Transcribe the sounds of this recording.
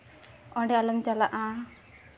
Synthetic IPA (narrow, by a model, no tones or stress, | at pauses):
ɔ̃ɳɖɛaləmd͡ʒalaʔã